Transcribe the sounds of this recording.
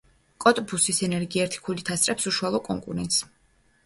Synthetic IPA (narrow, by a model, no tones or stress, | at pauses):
kʼɔt̪ʼbusisɛnɛɾɡiɛɾt̪ʰi̥kʰulit̪ʰast̪ʼɾɛpsuʃualˠɔkʼɔ̰ŋkʼṵɾɛ̰nt̪ʼs